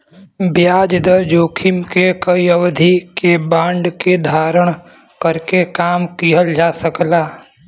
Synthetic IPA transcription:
bjaːd͡ʒd̪əɾd͡ʒoːkʰɪmkekəiəwd̪ʱikebãːɳɖked̪ʱaːɾəɽ̃ | kəɾkekaːmkiɦəld͡ʒaːsəklaː

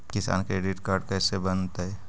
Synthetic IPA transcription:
kɪsa̰ːnkɾeːɖɪʈkaːɾɖkɛːsebɐnt̪aɦɛ

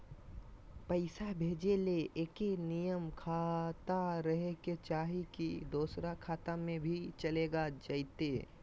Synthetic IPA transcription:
pəɪsabʱeːd͡ʒeleʔeːkenijəmkʰat̪aɾəɦeket͡ʃaːɦikid̪oːsɾakʰaːt̪amẽbʱit͡ʃəleːɡad͡ʒaɪt̪eː

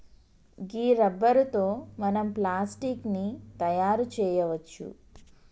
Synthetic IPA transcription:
ɡiːɾɐbːɐɾut̪oːmɐnɐmplaːsʈiːknit̪ɐjaːɾut͡ʃɛːjɐʋɐt͡ʃːṵ

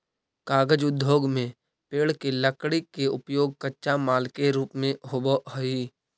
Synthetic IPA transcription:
kaːɡəd͡ʒʊd̪ʱjoːɡmẽ | peːɽkeləkɽikeʊpjoːɡ̚kətːʃamaːlkeɾuːpmẽɦobəɦoiː

